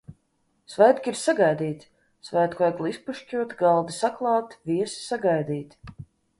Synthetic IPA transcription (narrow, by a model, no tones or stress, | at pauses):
svɛjt̪kʲiɾsaɡajd̪iːt̪ʲ | svɛjt̪kɔɛɡlˠispuʃt͡ʃʲuɔt̪ɡalˠd̪isaklˠɑːt̪vʲiɛsi̥saɡajd̪iːt̪